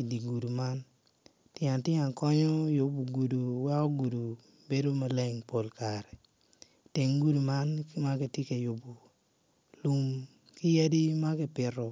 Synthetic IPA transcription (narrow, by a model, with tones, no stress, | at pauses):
i˨di˨ɡu˨du˨ma˦n | tjɪ˦a˨tɪ˦a˨ŋkɔ˦ɲɔ˦jʊ˨bu˨ɡu˨du˨wɛ˦kɔ˦ɡu˨du˨ | be˦do˦ma˦lɛ˦˨ŋpo˨lkaɾɛ˨ | te˨ŋɡu˦du˨ma˦nma˦ki˨ti˦ke˨jo˨bu˨ | lu˦m | kɪ˦je˦di˦ma˦kɪ˦pɪ˨rɔ˨